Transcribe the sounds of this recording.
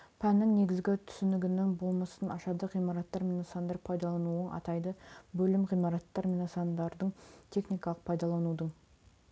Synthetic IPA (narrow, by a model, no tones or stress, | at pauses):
pʰænːɪŋne̞ɡʲɪzɡʲɪt̪ʰʏ̥sɪnɪɡʲɪnɪŋbo̞lˠmɑsənʔɑʃɑd̪əʁijmɑɾɑt̪ːɑɾmʲinosɑnd̪ɑɾpʰɑjd̪ɑlˠɑnuəɴʔɑ̰t̪ɑjd̪əbɵlɪmʁijmɑɾɑt̪ːɑɾmʲinosɑnd̪ɑɾd̪əɴt̪ʰe̞χnijkɑlˠəq̚pʰɑjd̪ɑlˠɑnud̪əɴ